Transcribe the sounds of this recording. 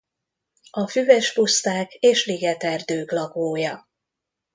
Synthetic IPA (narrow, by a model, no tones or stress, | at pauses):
ɒfyvɛʃpust̪aːkeːʃliɡɛt̪ɛrd̪øːklɒɡoːjɒ